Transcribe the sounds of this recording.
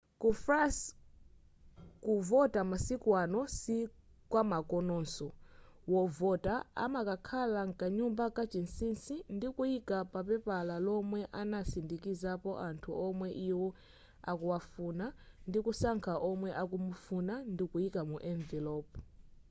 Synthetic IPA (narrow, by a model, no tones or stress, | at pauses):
kufras | kuvɔtamasikwanɔsi | kwamakɔnɔːnsɔ | wɔvɔtaa̰makakʰalaŋkaɲumbakat͡ʃinsinsindikuikapapɛpalalɔmwɛʔanasindikizapɔʔantʰuʔɔmwɛʔiwɔ | akuwafunandikusaŋkʰaʔɔmwɛʔakumufunandikuikamuʔɛɱvilɔp